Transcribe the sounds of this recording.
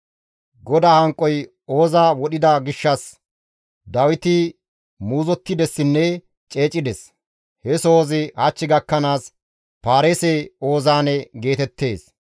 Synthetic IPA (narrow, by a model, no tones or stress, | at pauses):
ɡɔd̪aːhɐŋkʼːɔj | o̞ːzaːwɔɗɪd̪ɐɡɪʃːɐs | d̪ɐwɪt̪ɪ | muːzɔt̪ːɪd̪ɛsːɪnːɛ | t͡ʃʼe̞ːt͡ʃʼɪd̪ɛs | hɛsoːzɪhɐt͡ʃːɪɡɐkːɐnaːs | paːɾeːseo̞ːzaːnɛɡe̞ːt̪ɛt̪ːe̞ːs